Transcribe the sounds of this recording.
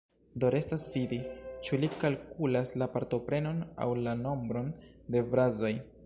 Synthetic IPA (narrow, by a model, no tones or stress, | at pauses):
do̞ɾe̞stasvidit͡ʃulikalkulaslapaɾto̞pɾe̞no̞na̰wlano̞mbɾo̞nde̞vɾazo̞j